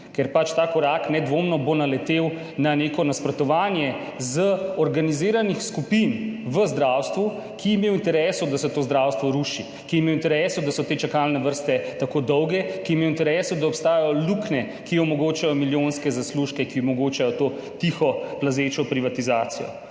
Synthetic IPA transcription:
kɛɾpat͡ʃt̪akɔɾaknɛd̪ʋomnɔbonalɛt̪ew | nanekɔnaspɾɔt̪ɔʋaːnjɛ | zəɔɾɡaniziːɾanixskupinʋəzd̪ɾawst̪ʋu | kʰiimeːwint̪ɛɾɛːsɔd̪asɛt̪oːzd̪ɾawst̪ʋɔɾuːʃi | kiimewint̪ɛɾɛsɔd̪asɔt̪eːt͡ʃakalnɛʋəɾst̪ɛt̪akoːd̪ɔwɡɛkimeːwint̪ɛɾɛːsɔd̪aɔpst̪aːjajɔluknɛ | kiɔmɔɡoːt͡ʃajɔmiljonskɛzasluʃkɛkiɔmɔɡoːt͡ʃajɔt̪oː | t̪ixɔplazet͡ʃɔpɾiʋat̪izaːt̪sijɔ̰

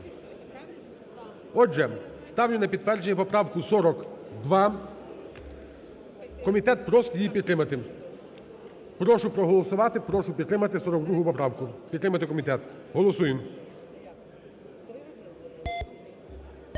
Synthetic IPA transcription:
ɔʒɛ | st̪ɑwnʲʊnɐpʲid̪t̪ʋɛrd͡ʒenʲɛpɔpɾɑwkʊsɔɾɔkd̪ʋɑ | kɔmʲit̪ɛt̪̚pɾɔst̪jipʲid̪t̪ɾɪmɐt̪ɪ | pɾɔʃʊpɾɔɦɔlˠɔsʊʋɑt̪ɪpɾɔʃʊpʲid̪ɾɪmɐt̪ɪsɔɾɔk̚d̪ɾuɦʊpɔpɾɑwkʊpʲid̪t̪ɾɪmɐt̪ɪkɔmʲit̪ɛt̪ | ɦɔlˠɔsujɪm

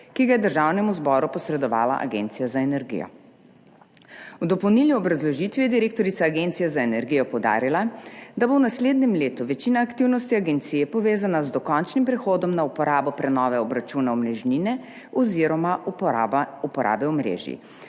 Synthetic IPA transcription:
kiɡajɛd̪əɾʒaːwnɛmuzbɔːɾupɔsɾɛd̪ɔʋa̰ːla̰ʔa̰ɡḛːnt̪sijazaenɛɾɡḭjɔ̰ | wd̪ɔpɔwniːlniɔbɾazlɔʒit̪ʋijɛd̪iɾeːk̚t̪ɔɾit̪saːɡeːnt̪sijazaenɛɾɡijɔpɔwd̪a̰ːɾilad̪abownasleːd̪nɛmleːt̪uʋɛt͡ʃinaːkt̪iwnɔst̪iaɡɛnt̪sijɛpɔʋeːzanazd̪ɔkɔnt͡ʃnimpɾɛxoːd̪ɔmnaupɔɾaːbɔpɾɛnɔːʋɛɔbɾat͡ʃunaɔmnɛʒninɛ | ɔziːɾɔma | upɔɾʔa̰ːbɛɔmɾḛːʒjḭ

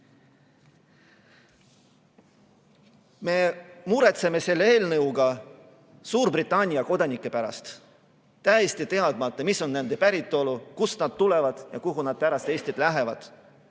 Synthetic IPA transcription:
me̞muɾe̞t̪se̞me̞se̞lːee̞ːlnɤwɡ̥ɑ | suːɾbrit̪ːˑɑnʲiɑko̞d̪̥ɑnikːˑe̞pæɾɑ̰st̪ | t̪æjest̪it̪e̞ɑd̪mɑt̪ːˑɑmiso̞nne̞nd̪̥e̞pæɾit̪ˑːo̞lukusnɑd̪̥t̪ule̞vɑd̪̥jɑkuɦunɑd̪̥̚pæɾɑst̪e̞ːsʲt̪id̪̥læɦe̞vɑd̪̥

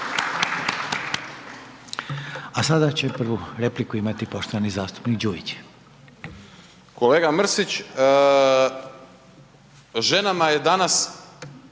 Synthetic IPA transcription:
asad̪at͡ɕe̞pr̩ʋuɾeplikuimat̪ipo̞ʃt̪oʋanizaːst̪u̥pnikd͡ʑuit͡ɕ | ko̞leːɡamr̩sit͡ɕ | ʒe̞namajed̪anas

